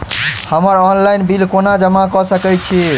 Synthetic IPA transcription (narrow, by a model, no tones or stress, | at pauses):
həməɾɔnlajnbilkonad͡ʒəmakɔsəkɛjt͡ʃʰi